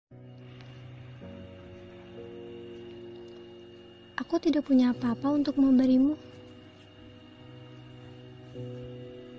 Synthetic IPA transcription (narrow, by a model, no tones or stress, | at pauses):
ʔakut̪idak̚puɲaːpaːpaunt̪ʊk̚məmbəɾimu